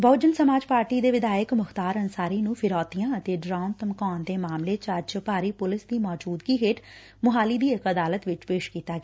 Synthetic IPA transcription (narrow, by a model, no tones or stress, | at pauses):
bəːd͡ʒənsəmaːd͡ʒpaːɾʈiːd̪eːʋɪd̪aːjəkmʊxt̪aːɾənsaːɾiːnũːpʰɪɾɔːt̪ijãːət̪eːɖɾaːnt̪əmkɔːnd̪eːmaːmleːt͡ʃad͡ʒpaːɾiːpʊlɪsd̪iːmɔːd͡ʒuːd̪ɡiːɦeːʈ | mʊɦaːliːd̪iːɪkəd̪aːlət̪ʋɪt͡ʃpeːʃkiːt̪aːɡɛː